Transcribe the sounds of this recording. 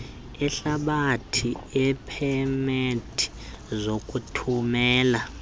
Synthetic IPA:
ɛɬaɓatʰiɛpʰɛmetʰi̥ | zokʼutʰumɛːla

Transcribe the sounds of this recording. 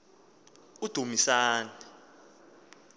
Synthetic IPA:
ud̥ʱumisaːnɛ

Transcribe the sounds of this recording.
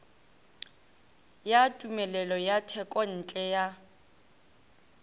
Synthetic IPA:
jatʼumɛlɛlɔjatʰɛkʼɔn̩ːt͡ɬʼɛja

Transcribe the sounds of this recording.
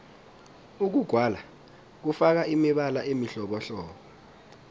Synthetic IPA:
uk̬uɡ̥ʱwala | k̬ufak̬aimiɓalaʔemiɬɔɓɔɬɔːk̬ɔ

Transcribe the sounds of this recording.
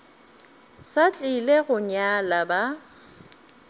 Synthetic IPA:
sat͡ɬʼɪleɣʊɲalaba

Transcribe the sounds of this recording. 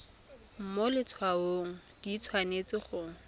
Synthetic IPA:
m̩molɪt͡sʰwaoŋ̩d̥it͡sʰwanet͡sɪχʊːŋ̩

